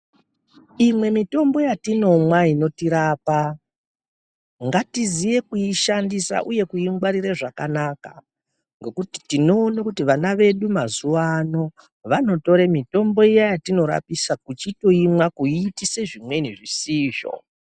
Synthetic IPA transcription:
imwe̞mito̞mbo̞jatino̞mwaino̞tiɾaːpa | ŋɡatizije̞kuiʃandisa̰ʔuje̞kuiŋɡwaɾireʐakanaːka̰ | ŋɡe̞kuti̥tino̞ːnakutiʋanaʋe̞ɗumazuʋaːno̞ | ʋano̞to̞ɾemito̞mbo̞ijajatino̞ɾa̰pisakut͡ʃito̞imwakuitise̞ʐimwe̞niʐisiːʒo̞̰

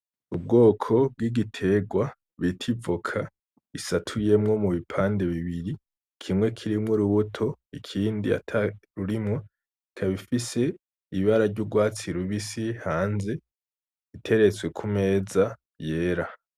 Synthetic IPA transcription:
ub̚ɡo̞ːkʰo̞b̚ɡiɡitʰe̞ːɡwa | βitʰivokʰa | isatʰuje̞mŋo̞muβipʰaːnde̞βiβiɾi | kʰimŋwe̞kʰiɾimŋoɾuβutʰo̞ikʰiːndia̰tʰaɾuɾimŋo | ikʰaβifise̞ | iiβaɾaɾɟuɡwaːt͡siɾuβisihaːnze̞ | itʰe̞ɾet͡swe̞kʰume̞ːza | je̞ːɾa

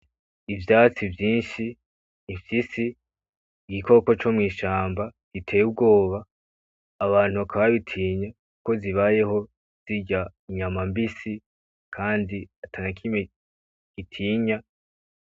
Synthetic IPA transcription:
ivjaːt͡sivjiːnʃi | ifjisiː | ɡiko̞ko̞t͡ʃo̞mŋiːʃaːmbaɡ̥itʰe̞ːjub̚ɡo̞ːβaː | βaːn̥uβakʰaβaβitʰiːɲakuko̞ziβaje̞ho̞ | z̥iɟaɲamambisi | kʰaːndiatʰanakʰime | ɡ̥itʰiːɲa

